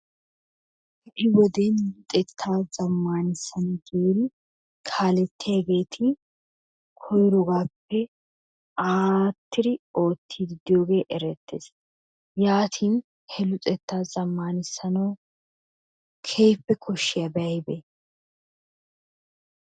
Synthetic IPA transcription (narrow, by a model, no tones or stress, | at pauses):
hɛʔɪwɔd̪enʊt͡sʼɛt̪ʰːaːz̥ɐmːaːnɪsːɐnɐɡeːɾɪ | kʰaːlɛt̪ːɪjaːɡe̞ːt̪ʰɪ | kʰɔjɾɔɡaːpːɛ | aːt̪ːɪɾɪo̞ːt̪ʰːiːd̪ɪd̪ɪjo̞ːɡe̞ːʔɛɾɛt̪ːḛːs | jaːt̪ʰiːn | hɛlʊt͡sʼɛt̪ːaːzɐmːaːnɪsɐnɐw | kʰeːpːɛkʰɔʃːɪjɐbɛɐjbɛ